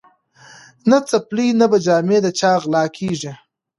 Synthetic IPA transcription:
nat͡saplinabad͡ʒɑːmed̪ət͡ʃɑːɣlɑːkʰiʐi

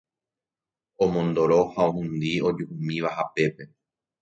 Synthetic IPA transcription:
omõnd̪oɾo̞haohũnd̪io̞d͡ʒuhũmĩʋaɦape̞pe̞

